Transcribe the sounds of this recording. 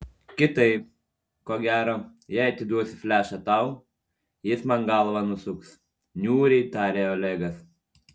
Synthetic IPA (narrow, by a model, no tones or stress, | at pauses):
kʲɪt̪ɐɪp | koːɡʲæːɾoː | jɛɪɐt̪ʲɪd̪uɔsʲɪfʲlʲæːʃɐt̪ɐˑʊ | jɪsmɐŋɡɑːlˠʋɐnʊsʊks | nʲuːɾʲɛɪt̪ɑːɾʲeːoːlʲɛːɡɐs